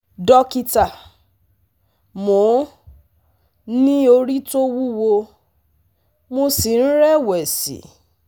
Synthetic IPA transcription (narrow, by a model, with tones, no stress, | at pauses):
dɔ˧ki˧ta˨ | mo˨˦ | nĩ˦o˧ɾi˦to˦wu˦wo˧ | mo˧si˨n̩˦ɾɛ˦wɛ˨sḭ˨˦